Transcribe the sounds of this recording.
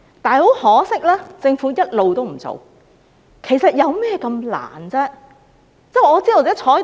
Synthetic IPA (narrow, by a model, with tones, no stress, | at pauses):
t̪aː˨˩ho˨˥whɔː˨˥sɪ˥k̚lɛː˥t͡sɪ˧ŋfuː˨˥jɐ˥t̚lo˨˧wt̪o˥wm̩˨˩t͡so̰˨w | kʰe˨˩jsɐ˨t̚jɐ˨˧wmɛː˥kɐ˧mla̰ː˨˩nt͡sɛː˥ | t͡sɛː˥˩ɔː˨˧t͡siː˥d̪o˨˧˩t͡sɛː˨˥t͡ʃʰɔː˨˥